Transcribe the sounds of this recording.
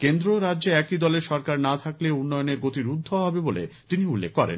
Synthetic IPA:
kend̪ɾoɾadːʑeɛkid̪ɔleɾʃɔɾkaɾnat̪ʰakleunːɔjoneɾɡot̪iɾud̪ʱːoɦɔbebolḛt̪iniulːekːɔɾḛn

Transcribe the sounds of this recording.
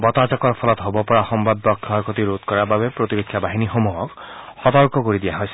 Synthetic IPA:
bɔt̪azɔkɔɹpʰɔlɔt̪ɦobɔpɔɹaxɔmbad̚bɔksɔɹkʰot̪iɹot̪kɔɹababɛpɹot̪iɾokʰːjabaɦinixomuɦɔkxɔt̪ɔɹkɔkoɹid̪ijaɦojsɛ̥

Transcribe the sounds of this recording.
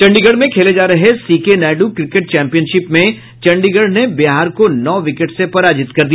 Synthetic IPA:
t͡ʃɐ̃ɳɖiɡəɽmẽkʰeːled͡ʒaːɾɐɦesiːkenɛːɖukɾɪkeʈ̚t͡ʃɛ̃ːmpijənʃɪpmẽ | t͡ʃɐ̃ɳɖiɡəɽnebiɦaːɾkonɔːʋɪkeʈsepɐɾaːd͡ʒɪt̪kɐɾd̪ij

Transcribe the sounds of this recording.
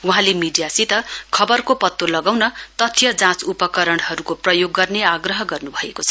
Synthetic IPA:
uɦãlemiɖijasit̪ʌkʰʌbʌrkopʌt̪ːolʌɡawnʌt̪ʌt̪ʰjʌd͡zãt͡supʌkʌɾʌɽ̃ɦʌɾukoprʌjoɡːʌrneaɡrʌɦʌɡʌrnubʱʌekot͡sʰʌ

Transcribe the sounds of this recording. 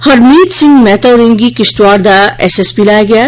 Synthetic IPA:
hɐɾmiːd̪sɪ̃ŋɡmɛːt̪ɐwɾẽŋɡikɪst̪waːɾd̪aɛːsesbilaːjaɡɐjaː

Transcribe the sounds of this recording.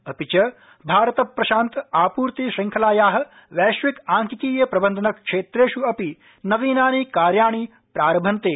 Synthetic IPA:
ɐpit͡ʃɐ | bʱaːɾɐt̪ɐpːɾɐʃaːnt̪aːpuːɾt̪iʃiŋkʰɐlaːjaːɦɐ̆ | ʋɛːʃʋikaːŋkikiːjɐpɾɐbɐnd̪ʱɐnɐkʂeːt̪ɾeːʃuɐpi | nɐʋiːnaːniːkaːɾjaːɳ̃i | pɾaːɾɐmbʱɐnt̪eː

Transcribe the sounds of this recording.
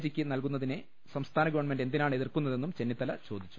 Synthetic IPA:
d͡ʑikʲːɨnɐlkunːɐðine | sɐmst̪ʰaːnɐɡɐʋɐɳme̞nɖe̞nd̪inaːɳe̞ðirkun̪ːɐðe̞nːumt͡ɕe̞nːit̪ːɐlɐt͡ɕo̞ːd̪it͡ɕːu̥

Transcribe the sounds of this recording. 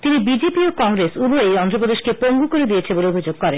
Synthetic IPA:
t̪inibid͡ʑepiokɔŋɡɾesuboejɔnd̪ɾop̬od̪eʃkepoŋɡukoɾed̪ijet͡ɕʰeboleobʱid͡ʑoɡ̚kɔɾen

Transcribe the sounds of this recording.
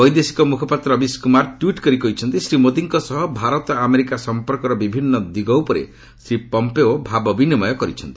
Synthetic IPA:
bɔjd̪esi̥kɔmukʰɔpat̪ɾɔbiskumaɾʈwiʈkɔɾikɔɦit͡ʃʰɔnt̪isɾimod̪iŋkɔsɔɦɔbʱaɾɔt̪ɔameɾikasɔmpɔɾkɔɾɔbibʱinːɔd̪iɡɔwpɔɾḛ | sɾipɔmpeobʱabɔbinimɔjɔkɔɾit͡ʃʰɔnt̪i̥

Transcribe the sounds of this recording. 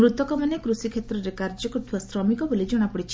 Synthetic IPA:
ɾut̪ɔkɔmanekɾusikʰet̪ɾɔɾekaɾd͡ʒɔkɔɾt̪ʰibasɾɔmikɔbolid͡ʒɔɽ̃apɔɽit͡ʃʰi̥

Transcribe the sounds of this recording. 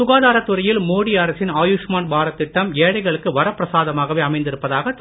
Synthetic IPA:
ʊɣaːðaːɾɐt̪ːʊɾɐjɪlmoːɽiaɾɐsɪnaːjuʂmaːnbʱaːɾɐt̪ːɪʈːɐmeːɽɐɪɣɐɭɯkːɯʋɐɾɐpːɾɐsaːðɐmaːɣɐʋeːɐmɐɪnd̪ɪɾɯpːɐðaːɣɐt̪

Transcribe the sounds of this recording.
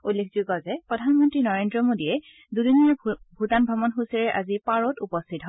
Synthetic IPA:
ulːekʰzuɡɔzɛpɹɔdʱanmɔntɹinɔɹendɹɔmodiɛ | dudinijabʱutanbʱɹɔmɔnxusiɹɛʔazipaɹɔtupɔstʰitɦɔ

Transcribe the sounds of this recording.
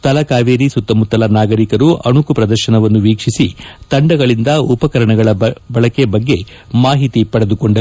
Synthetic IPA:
t̪ɐlɐkaːʋeːɾisut̪ːɐmut̪ːɐlɐnaːɡɐɾikɐɾuɐɳukupɾɐd̪ɐɾʃɐnɐʋɐnːuʋiːkʂisit̪ɐɳɖɐɡɐɭind̪ɐupɐkɐɾɐɳɐɡɐɭɐbɐɭɐkebɐɡːe̞ | maːɦit̪ipɐɽed̪ukoɳɖɐ

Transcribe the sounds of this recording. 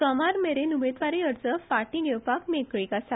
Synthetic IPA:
kəmaɾmeɾenumed̪ʋaɾiəɾt͡səfaʈĩɡʱewpakmekɭiːkasa

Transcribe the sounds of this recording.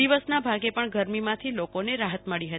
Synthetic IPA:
iʋəsnabʱaɡepəɳɡʱəɾmimãt̪ʰilokoneɾaɦət̪məɭiɦət̪i

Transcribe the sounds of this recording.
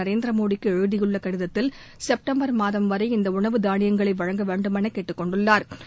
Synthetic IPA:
ɐɾeːnd̪ɪɾɐmoːɽɪkːɯɛɻɯðɪjɯɭːɐkɐɽɪðɐt̪ːɪl | sɛp̚ʈɐmbɐɾmaːðɐmʋɐɾɐɪɪnd̪ɐʊɳɐʋɯd̪aːɳɪjɐŋɡɐɭɐɪʋɐɻɐŋɡɐʋeːɳɖɯmɐnɐɪkːeːʈːɯkːɔɳɖɯɭːaːɾ

